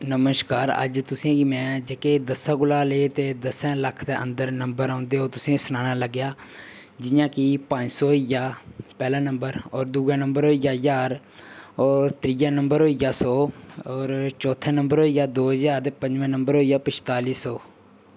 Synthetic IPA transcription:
nəməskaːɾə̰d͡ʒt̪ʊsĩɡimɛ̃ːd͡ʒeːkeːd̪əsãːɡʊlaːleːt̪eːd̪əsɛ̃ːləkʰd̪eːʔə̰̃nd̪əɾnəmbəɾaːʊ̃nd̪eːɦoːt̪ʊsĩːsənaːñaːləɡjaː | d͡ʒɪjãːkɪpə̃ɲd͡ʒsɔːɦijaːpɛːlãːnəmbəɾɔːɾd̪uːɡãːnəmbəɾɦoːijaːzaːɾ | ɔːɾt̪ɾɪjaːnəmbəɾɦoːijaːsɔːɔːɾt͡ʃɔːt̪ʰɛːnəmbəɾɦoːijaːd̪oːɦəzaːɾt̪eːpə̃ɲd͡ʒʋɛ̃ːnəmbəɾɦoːijaːpət͡ʃt̪aːliːsɔː

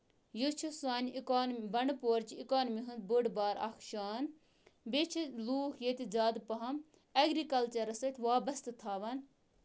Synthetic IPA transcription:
jut͡ʃʰusaːnʲikaːnbɐnpoːɾt͡ʃiikaːnmiɦund̪̚buɖbaːɾɐ̰kʰʃaːn | bet͡ʃʰiluːkʰjet̪ʲid͡zaːd̪pɐɦɐm | ɐɡɾikɐlt͡ʃɐɾɐsɐt̪ʰʲʋaːbɐst̪ʰɨt̪ʰaːʋɐn

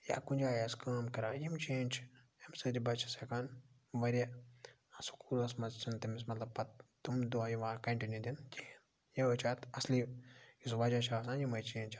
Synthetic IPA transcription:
ja̰ːkunʲd͡ʒaːjɐskaːmkɐɾaːjimt͡ʃẽːnʲt͡ʃjɐmsɨd̪ibɐt͡ʃʰsekan | ʋɐɾʲɐ | asu̥kuːɾɐsmɐt͡st͡ʃʰɐnt̪imis̬mɐt̪lɐb̚pɐt̪t̪umd̪uajiʋãːkɐɳʈinjud̪ind͡ʒin | jeʋɐt͡ʃʰaːt̪ɐsliisʋɐd͡ʒat͡ʃʰaːsãnjimɐjt͡ʃeːnʲt͡ʃ

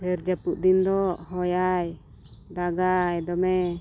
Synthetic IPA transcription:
hɛɾd͡ʒapuʔd̪ind̪ɔhɔjaj | d̪aɡajd̪ɔmɛ

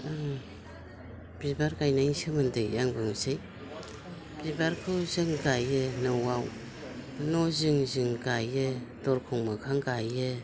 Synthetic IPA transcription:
b̥ibaɾɡajnaiŋsɯmɯndɯjaŋbɯŋsɯj | b̥ibaɾkʰɯwzɯŋɡajɯnɯwaw | nɔzɯŋzɯŋɡajɯdɔɾkʰuŋmɯkʰaŋɡajɯ

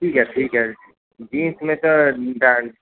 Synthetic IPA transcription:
ʈʰiːkɦɛʈʰiːkɦɛ | d͡ʒĩːnsmẽt̪oɖa

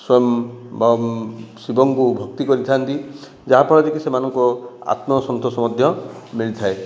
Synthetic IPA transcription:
swɔjɔmb | sibɔŋkubʱɔk̚t̪ikɔɾit̪ʰant̪i | d͡ʒaɦapɔɽɔd̪ekisemanɔŋkɔa̰t̪mɔsɔnt̪ɔsɔmɔd̪ʱjɔmiɭit̪ʰae

